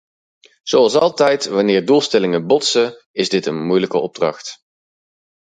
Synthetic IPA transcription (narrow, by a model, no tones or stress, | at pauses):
z̥owɑlˠsɑlˠtɛjtʋɑnɪːɹdulˠstɛlɪŋəbɔtsə | ɪzdɪtənmujləkəɔb̚drɑ̰χt